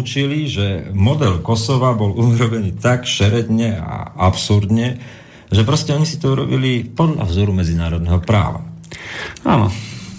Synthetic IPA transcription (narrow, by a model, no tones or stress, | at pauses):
t͡ʃiliʒɛmɔd̪ɛlkɔsɔʋabɔluɾɔbɛniːt̪akʃɛɾɛd̪ɲɛa̰apsuɾd̪ɲɛ | ʒɛpɾɔscɛɔɲisi̥t̪ɔuɾɔbilipɔd̪ʎa̰vzɔɾumɛd͡zinaːɾɔd̪̚nɛɦɔpɾa̰ːʋa̰ | a̰nɔ̰